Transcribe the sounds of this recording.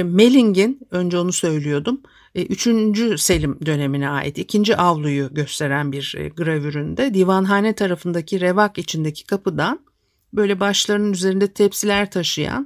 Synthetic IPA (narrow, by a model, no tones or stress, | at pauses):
me̞lʲiɲɟinø̞nd͡ʒɛo̞nusø̞jlʲijo̞d̪umː | ʔyt͡ʃʰynd͡ʒyse̞lʲimd̪ø̞ne̞minɛa̰ːjʔḭt̪icʰind͡ʒiʔavlˠujuɟø̞st̪ʰe̞ɾænbiɾɡɯɾavyɾynd̪ɛd̪iːvanɦaːnɛt̪ʰaɾafɯnd̪acʰiɾevakit͡ʃʰind̪ecʰi̥kʰapʰɯd̪an | bø̞jlʲɛbaʃlˠaɾɯnɯnyze̞ɾind̪ɛt̪ʰɛpsilʲæɾt̪ʰaʃɯja̰n